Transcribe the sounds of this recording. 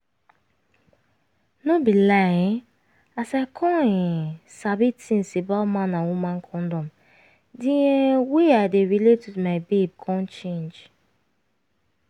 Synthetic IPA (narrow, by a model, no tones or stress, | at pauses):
nobilaẽ | asaɪkʰɔ̃ĩsabitĩn̩sibalmãnawumãnkʰɔ̃ndɔm | dieweadeɹiletwidmaɪbeb̚kʰɔ̃nt͡ʃẽnd͡ʒ